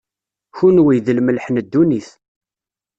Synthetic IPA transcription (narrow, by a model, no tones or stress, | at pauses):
çunwijðəlməlħnəd̪ːuniθ